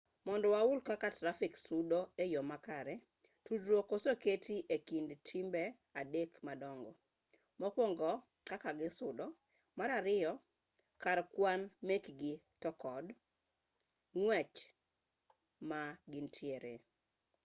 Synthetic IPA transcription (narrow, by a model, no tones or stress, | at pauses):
mɔndɔwaʊlkakatɾafɪksʊdɔejɔmakaɾɛ | tudɾokosoketiʔekindtʰimbɛ | adekmadɔŋɡɔ | mɔkwoŋɡɔ | kakaɡɪsʊdɔ | maɾaɾɪɔ | kaɾkwanmekɡi | tɔkɔd | ŋwɛt͡ʃ | maɡintʰjeɾe